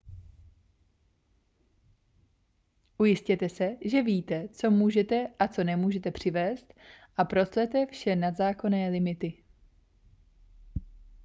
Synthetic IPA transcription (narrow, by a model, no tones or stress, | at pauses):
ʔujɪscɛt̪ɛsɛʒɛviːt̪ɛt͡so̞muːʒɛt̪ɛʔat͡so̞nɛmuːʒɛt̪ɛpr̝̥ɪvɛːst̪ʔapɾo̞slɛt̪ɛfʃɛnad̪zaːko̞nɛːlɪmɪt̪ɪ